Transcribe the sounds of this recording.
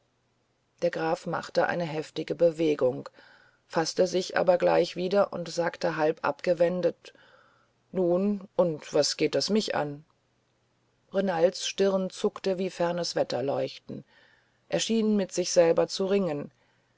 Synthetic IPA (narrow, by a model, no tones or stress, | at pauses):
d̥eːɐɡʁaːfma̰χtəʔa̰ɪnəɦɛftɪɡəbəveːɡʊŋ | fastəzɪçʔa̰ːbɐɡlaɪçv̥iːdɐʔʊ̰ntz̥aːktəɦalpʔa̰pɡ̥əvɛndət | nuːnʊntv̥asɡ̥eːt̚d̥asmɪçʔa̰n | ʁenaltsʃtɪʁnt͡sʊktəviːfɛɐnəsv̥ɛtɐlɔʏçtn̩ | ʔeːɐʃiːnmɪtz̥ɪçz̥ɛlbɐt͡suʁɪŋən